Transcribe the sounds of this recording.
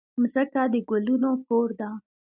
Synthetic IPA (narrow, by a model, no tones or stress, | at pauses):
mzəkad̪əɡʊlunokoɾd̪a